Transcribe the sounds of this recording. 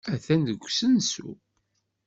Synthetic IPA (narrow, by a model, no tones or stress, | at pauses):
æθænðəɡʷːsənsṵ